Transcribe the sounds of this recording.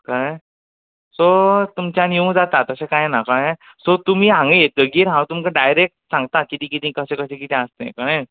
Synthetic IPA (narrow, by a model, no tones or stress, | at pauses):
kəɽə | sot̪umt͡ɕjaniũd͡zat̪at̪əsẽkajnakəɽ | sot̪um̤iːɦãŋɡiɡ̪əɡiːɾɦãwt̪umkãɖajɾek̚ʈsãŋɡt̪akit̪ĩːk̬it̪ĩkəsẽkəsẽk̬it̪ẽəst̪ḛ̃kəɽəj